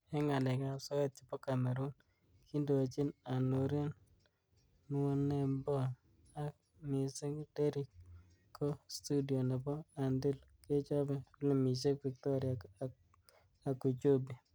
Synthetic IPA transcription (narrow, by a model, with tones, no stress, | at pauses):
e˦ŋa˨lɛ˨ka˨sɔ˦ɛ˦t̚t͡ʃi˨pɔ˦ka˨mɛ˨ɾo˦n | ki˦ndo˨t͡ʃi˦na˨no˨ɾi˦n˦ | wo˦nːe˨mbɔ˦ | a˦k̚ | mɪ˨sɪ˦ŋde˦ɾi˨kʰː | o˦stu˦di˨o˨ne˨pɔ˦a˨ndɪ˦l | ke˦t͡ʃɔ˦bɛ˨u˦le˨mi˨s̬e˦kpi˨k̚tɔ˦ɾja˨ | a˨ku˨t͡ʃo˦bi˨